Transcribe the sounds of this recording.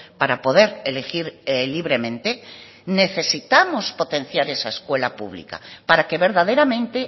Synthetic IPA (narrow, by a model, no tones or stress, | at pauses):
paɾapo̞ðe̞ɾelexiɾliβɾe̞mẽ̞nt̪e | ne̞θe̞sit̪amospo̞t̪ẽ̞nθjaɾe̞saeskwe̞lapṵβlḭka̰paɾakeβe̞ɾðað̞e̞ɾamẽ̞nt̪e